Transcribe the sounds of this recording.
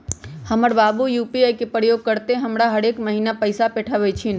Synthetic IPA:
həməɾbaːbujuːpiajkepɾəjoɡ̚kəɾt̪eɦəmɾaɦəɽekməɦinapəɪsapɛʈʰəʋɛt͡ʃʰin

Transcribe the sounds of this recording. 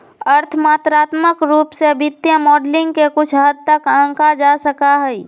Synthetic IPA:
əɾt̪ʰmaːt̪ɾaːt̪məkɾuːpsebʱɪt̪jəmɔːɖlɪ̃ŋɡkekʊt͡ʃʰɦəd̪̚t̪əkə̃ːkad͡ʒasəkaɦɛi

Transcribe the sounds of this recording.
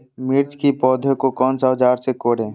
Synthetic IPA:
miɾt͡ʃ̪kipɔːd̪ʱokokɔːnsad͡ʒaːɾsekoːɽẽː

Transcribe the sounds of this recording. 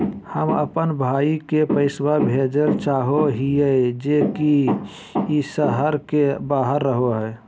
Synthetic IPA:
həmə̰pənbʱaːikepəɪswabʱed͡ʒəɾt͡ʃaːɦoɦied͡ʒeki | isəɦəɾkebaːɦəɾːəɦoɦɛː

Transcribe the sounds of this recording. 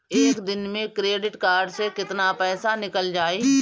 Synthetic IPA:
eːkd̪ɪnmẽkɾeːɖɪʈkaːɾɖsekɪt̪napɛːsanɪkəld͡ʒaːeː

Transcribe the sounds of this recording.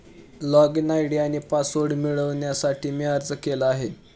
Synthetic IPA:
lɔɡinajɽiañiːpasoɖmiɭəʋɳjasaʈiːmiaɾd͡zəkelaaɦe

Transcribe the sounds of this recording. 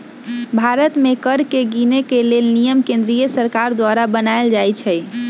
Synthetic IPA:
bʱaɾət̪mekəɾkeɡinekelelnijəmkẽnd̪ɾijəsəɾkaɾd̪waɾabənaeld͡ʒajt͡ʃʰɛj

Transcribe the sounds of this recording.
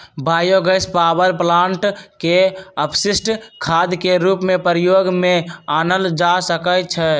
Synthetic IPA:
bʱaːjoɡəspabəɾplaːɳʈkeəpʰsisʈkʰad̪keɾuːpmepɾjoːɡmeaːnəld͡ʒasəkət͡ʃʰɛ

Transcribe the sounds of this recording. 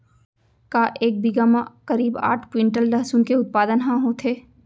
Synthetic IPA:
kaːʔeːk̚biɡamãkɐɾiːba̰ːʈʰkwɪ̃ɳʈəlɖɐɦsunkeʊt̪̚paːd̪ənɦãɦot̪ʰeː

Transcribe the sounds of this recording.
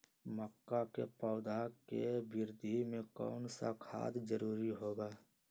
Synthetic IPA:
məkːakḛpɔːd̪ʱakebɪɾd̪ʱimẽkɔ̰ːnsa̰kʰa̰ːd̪d͡ʒəɾuːɾiɦoːɡaː

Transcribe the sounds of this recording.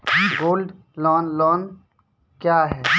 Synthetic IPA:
ɡoːlɖ | lɔːnlɔːn | kjaːɦɛː

